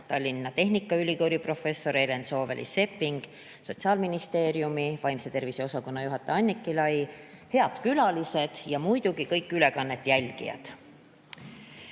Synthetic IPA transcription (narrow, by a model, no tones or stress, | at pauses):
t̪ɑlʲːinːɑt̪e̞ɦnikːˑɑylʲikoɾipro̞fe̞sːo̞ɾe̞le̞nso̞ːvḛlʔḭse̞pːiŋɡ̥ | so̞t̪siɑːlminist̪e̞ːɾjumivɑjmse̞t̪e̞rviseo̞sɑko̞nːɑjuɦɑt̪ːˑeɑnʲːikːˑilɑjihe̞ɑd̪̥kylɑlise̞d̪̥jɑmujd̪̥uɡ̥ikɤjkːˑyle̞kɑnːe̞t̪ːˑjælʲɡ̥ḭjɑ̰d̪̥